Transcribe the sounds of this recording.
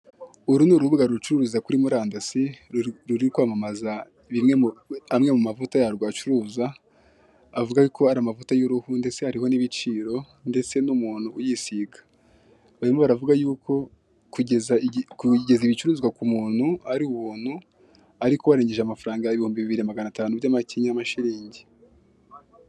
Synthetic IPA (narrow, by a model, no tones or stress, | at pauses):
uɾunuɾuβuɡaɾuɾut͡ʃuɾuɾuzakuɾimuɾaːndasiɾuɾiukwaːmamaza | βimŋeamŋe̞mumavutajaɾɡwat͡ʃuɾuːzaː | vuɡajukʰo̞aɾamavutajoɾuhunde̞se̞haɾiho̞niβit͡ʃiːɾo̞ | nde̞t͡se̞numuːn̥huːjiːsiːɡḁ | βaɾimoβaɾavuɡajuːkʰo̞ | kuezakuɟe̞ziβit͡ʃuɾuːzɡakumuːn̥huaɾiuβuːn̥hu | aɾikoβaɾe̞ːɲɟe̞ʒeamafaɾaːŋɡaiβihuːmbiβiβiɾinamaɡanataːnubɟaːmaciɲamaʃiɾiːɲɟe